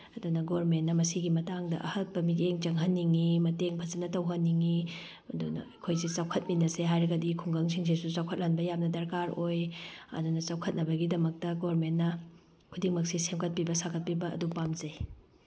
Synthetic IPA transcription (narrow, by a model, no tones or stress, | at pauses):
ɐdunɐɡoɾmentːɐmɐsiɡimɐtaŋdɐʔɐhɐt̚pɐmiteŋt͡ʃɐŋɦɐnːiŋimɐteŋpʰɐzɐnɐtɐwɦɐnːiŋi | ɐdunɐ̰ɐjkʰojsit͡ʃawkʰɐt̚minɐseɦajɾɐɡɐdikʰuŋɡɐŋsʰiŋs̬ʰesut͡ʃawkʰɐt̚lanbɐjamnɐdɐɾkaɾojɐ̰dunɐt͡ʃawkʰɐt̚nɐbɐɡidɐmɐk̚tɐɡoɾmenːɐ | kʰudiŋmɐk̚sisemkʰɐt̚pibɐsakʰɐt̚pibɐɐ̰dupamzɐj